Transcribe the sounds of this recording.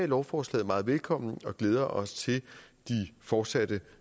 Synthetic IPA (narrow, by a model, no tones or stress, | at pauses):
ɛ̰lɒʊfɒːslɛ̰ːðˠmɑ̈ːð̞̩ˠʋelkʰɒ̽m̰n̩ɒ̽ɡ̥leːð̞ˠɐʔɒ̽st͡sʰe̝ld̥ifɒːd̥sæd̥ə